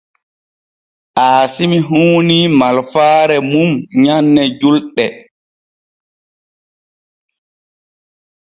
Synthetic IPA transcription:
ʔaːsimiɦuːnimalfaːɾɛmumɲanːɛd͡ʒulɗɛ

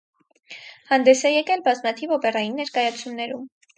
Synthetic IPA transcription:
hɑnd̪ɛsɛjɛkɛlbɑzmɑt̪ʰivɔpɛrɑjinːɛɾkɑjɑt͡sʰumnɛɾum

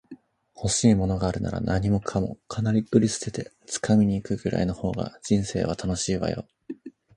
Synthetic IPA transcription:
ho̞ɕiːmo̞no̞ɡaːɾɯ̟na̰ɾa̰nʔaɲ̟imo̞kʰamo̞̰kʰanaɾʲiɯɾʲisɨ̥t̪e̞t̪e̞ | t͡sɨ̥kʰamʲiɲ̟iːkɯ̟ɡɯ̟ɾʔa̰ino̞ho̞ːɡa̰d͡ʑ̥ĩɰ̃se̞̰ːβ̞at̪ʰano̞ɕiːβa̰jo̞̰

